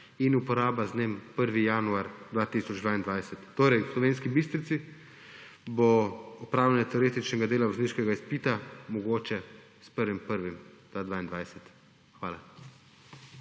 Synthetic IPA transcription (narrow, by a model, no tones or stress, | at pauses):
inupɔɾaːbazneːmpəɾʋijaːnuaɾd̪ʋaːt̪isɔd͡ʒd̪ʋaːind̪ʋajsɛt̪ːoːɾɛjslɔʋeːnskibist̪ɾit̪si | boupɾaːwlʲanɛt̪ɛɔɾeːt̪it͡ʃnɛɡad̪eːlaʋɔzniːʃkɛɡaispiːt̪amɔɡoːt͡ʃɛ | spəɾʋimpəɾʋimd̪̥aːd̪ʋaːind̪ʋajsɛt̪ | xʋaːla